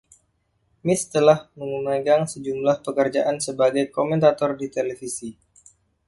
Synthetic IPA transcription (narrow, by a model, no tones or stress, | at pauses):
mɪst̪əlahməŋumaɡaŋsəd͡ʒumlahpəkərd͡ʒaʔansəbaɡajkomɛnt̪at̪ɔrdit̪elefisi